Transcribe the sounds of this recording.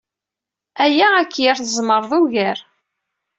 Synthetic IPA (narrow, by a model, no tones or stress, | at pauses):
æjæækːjæɾθəzˤməɾˤðˤuʝæɾ